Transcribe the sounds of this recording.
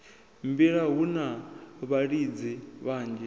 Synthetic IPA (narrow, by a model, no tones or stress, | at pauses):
mbiɺaɦunaβaɺid͡ziβaːnd͡ʒɛ